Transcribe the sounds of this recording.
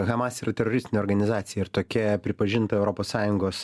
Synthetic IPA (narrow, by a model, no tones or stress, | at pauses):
ɣɐmɑsiːɾɐt̪ʲɛɾoɾʲɪsʲt̪ʲɪnʲɛoːɾɡɐnʲɪzɑːt̪sʲɪjɛɪɾt̪oːkʲɛpʲɾʲɪpɐʒʲɪnt̪ɐɛʊɾoːpoːssɑːjʊŋɡoːs